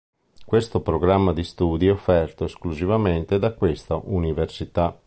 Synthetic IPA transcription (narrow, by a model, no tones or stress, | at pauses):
kwest̪opɾoɡɾamːad̪ist̪uːd̪iɛofːɛrt̪oeskluzivament̪ed̪akːwest̪aʔuniversit̪a